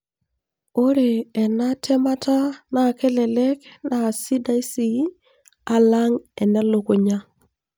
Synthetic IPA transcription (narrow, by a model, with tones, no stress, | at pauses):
o˦ɾeː˨na˦tʰɛ˦ma˦tʰa˦na˨ke˦lɛ˨lɛ˦kna˨si˦da˦i˦si˦ | a˨la˦ŋɛ˨na˦lo˨ko˨ɲa˦